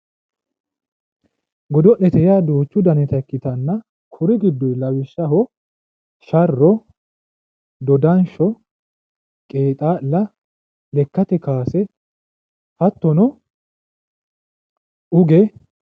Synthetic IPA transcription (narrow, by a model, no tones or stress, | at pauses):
ɡɔd̪ɔʔɛt̪ɛjaːd̪oːt͡ʃːʊd̪ɐnɛt̪ɐkːɪt̪ɐnːɐ | kʰʊɾɪɡɪd̪ːɔjlɐwɪʃːɐɦɔ | ʃɐrːɔ | d̪ɔd̪ɐnʃɔ | kʼeːt̪ʼaːlːɐ | lɛkːɐt̪ɛkaːsɛ | hɐt̪ːɔnɔ | ʔʊɡɛ